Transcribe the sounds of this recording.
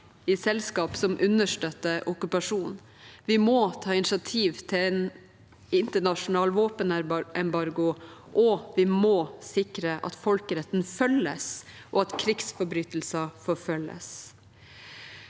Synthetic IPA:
ɪsɛlskɑːpsɔmʔʉnəʂʈøːt̪ːəʔɔkʉpɑʂuːn | ʋɪmot̪ʰɑːɪnɪʃɑt̪ʰiːʋt̪ʰɪlɛn | ɪnt̪əɳɑʂʊnɑːlʋoːpənɛɛnbɑɾɡʊʔɔʋɪmoːsɪkɾəʔɑ̰t̪fɔlkəɾɛt̪n̩fœləs | ʔɔɑt̪kʰɾɪksfɔɾbɾyːt̪l̩səfɔɾfœlːə̰s

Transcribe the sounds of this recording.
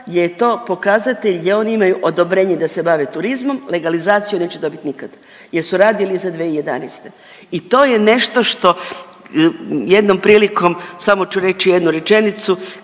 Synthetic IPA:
jejt̪o̞ːpo̞kaːzat̪eʎjeo̞niimajuʔo̞d̪o̞bɾe̞ːɲed̪ase̞baʋet̪uɾizmo̞mle̞ɡalizaːt̪sijune̞ːt͡ɕed̪o̞bit̪ʲnikad̪a | jeɾsuɾaːd̪ilizad̪ʋeːije̞d̪a̰nest̪e̞ | it̪o̞ːjene̞ʃt̪o̞ʃt̪o̞ | je̞d̪no̞mpɾiːliko̞msamo̞t͡ʃuɾe̞t͡ʃijed̪nuɾet͡ʃe̞nit̪su

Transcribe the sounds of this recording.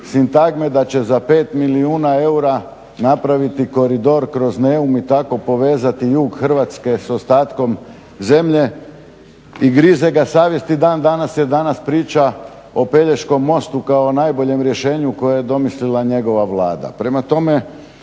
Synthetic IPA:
sint̪aɡmed̪at͡ɕe̞zape̞ːt̪miliuːnae̞uɾa | napɾaʋit̪iko̞ɾid̪o̞ɾkɾo̞zneumit̪ako̞po̞ʋe̞ːzat̪ijuːɡxr̩ʋat̪ske̞so̞st̪aːt̪ko̞m | ze̞mʎe̞ | iɡɾizeɡasaːʋje̞snid̪aːnd̪anasjed̪anaspɾiːt͡ʃa | o̞pe̞ʎe̞ʃko̞mːo̞st̪ukaonajbo̞ʎe̞mɾje̞ʃe̞ːɲuko̞jajed̪o̞mislilaɲe̞ɡo̞ʋaʋlˠaːd̪a̰pɾe̞mat̪o̞me̞

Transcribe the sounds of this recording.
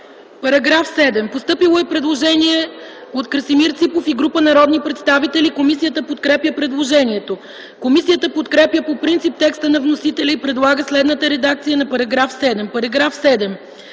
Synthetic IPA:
pɐɾɐɡɾafsɛd̪ɛmpost̪ɤpilˠoɛpɾɛd̪lˠoʒɛniɛ | ot̪kɾəsimiɾt̪sipofiɡɾupənɐɾɔd̪nipɾɛt̪st̪avit̪ɛlikomisijət̪əpot̪kɾɛpjəpɾɛd̪lˠoʒɛniɛt̪o | komisijət̪əpot̪kɾɛpjəpopɾint̪sip̚t̪ɛkst̪ənɐvnosit̪ɛlʲɐipɾɛd̪lˠaɡəslɛd̪nət̪əɾɛd̪ak̚t̪sijənɐpɐɾɐɡɾafsɛd̪ɛmpɐɾɐɡɾafsɛd̪ɛm

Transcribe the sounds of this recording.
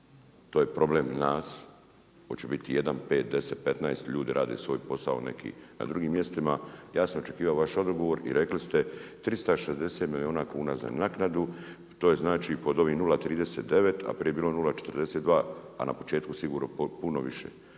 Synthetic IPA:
t̪oːjepɾo̞bleːmnaːs | kot͡ɕebit̪ije̞d̪anpe̞ːt̪̚d̪e̞set̪̚pe̞t̪najest̪ʎuːd̪iɾaːd̪esʋo̞ːjpo̞saone̞̰kʰḭna̰d̪ɾuɡiːmːje̞st̪imajaːsnoot͡ʃekiːʋaoʋaʃo̞d̪oɡoʋo̞ɾḭɾe̞klist̪et̪ɾist̪aʃezd̪e̞set̪milio̞ːnaːkuːnaza̰naknad̪u | t̪oːjeznaːt͡ʃipo̞d̪o̞ʋinulat̪ɾiːd̪e̞se̞ːt̪̚d̪e̞ʋe̞t̪ʰa̰pɾijebiːlo̞nulat͡ʃe̥t̪rd̪eset̪ʋaːa̰na̰po̞t͡ʃe̞ːt̪kusiɡuːɾnopuno̞ʋiʃḛ

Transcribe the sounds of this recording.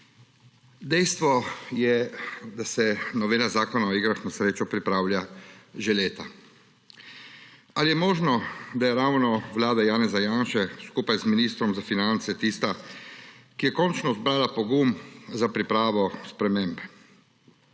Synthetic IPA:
d̪ɛjst̪ʋɔjɛd̪asɛnɔʋeːlazaːkɔnaɔiɡɾaxnasɾeːt͡ʃɔpɾipɾaːwljaʒeleːt̪a | alijɛmɔːʒnɔd̪ajɛɾaːwnɔʋlaːd̪ajaːnɛzajaːnʃɛskuːpajzminiːst̪ɾɔmzafinant̪sɛt̪ist̪a | kijɛkɔnt͡ʃnɔzbɾaːlapɔɡumzapɾipɾaːʋɔspɾɛmeːmbɛ

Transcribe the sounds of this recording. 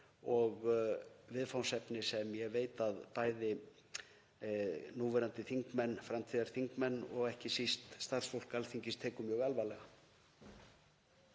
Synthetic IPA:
ɔɣvɪðfawnsɛpnɪsɛmjɛɣveːjt̪aðpaːjðɪ | nuvɛɾant̪ɪθiŋkmɛnːfɾamt̪ʰiːðaɾ̥θiŋkmɛnːɔɣɛhcɪsist̪st̪asfowl̥kalθiɲcɪst̪ʰɛːkʏmjœɣalvalɛɣa

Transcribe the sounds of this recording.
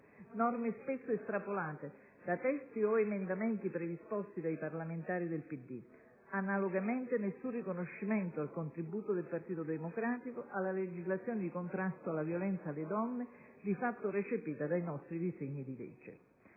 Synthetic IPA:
nɔrmespesːoest̪ɾapolaːt̪e | d̪at̪ɛst̪ioemend̪ament̪ipɾed̪ispɔst̪id̪ajparlament̪aːɾid̪elpid̪ːi | analoɡament̪enesːunrikonoʃːiment̪oalkont̪ɾibuːt̪od̪elpart̪iːt̪od̪emokɾaːt̪ikoʔalːaled͡ʒizlat̪sːjoːned̪ikont̪ɾast̪oalːavjolɛnt̪saːlːed̪ɔnːe | d̪ifat̪ːoret͡ʃepiːt̪ad̪ajnɔst̪ɾid̪izeɲːid̪ilḛd͡ʒḛ

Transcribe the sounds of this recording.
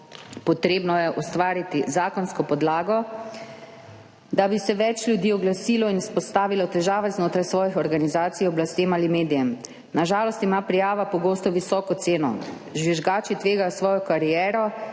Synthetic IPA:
pɔt̪ɾeːbnɔjɛʔɔst̪ʋaːɾit̪izaːkɔnskɔpɔd̪laːɡɔ | d̪abisɛʋɛt͡ʃlʲjud̪iːɔɡlasiːlɔinispɔst̪aːʋilɔt̪ɛʒaːʋɛznoːt̪ɾajsʋɔːjixɔɾɡanizaːt̪sijɔblast̪eːmalimeːd̪ijɛm | naʒaːlɔst̪imaːpɾijaːʋapɔɡoːst̪ɔʋisɔːkɔt̪seːnɔ̰ | ʒʋiʒɡaːt͡ʃit̪ʋeːɡajɔsʋɔːjɔkaɾijɛːɾɔ

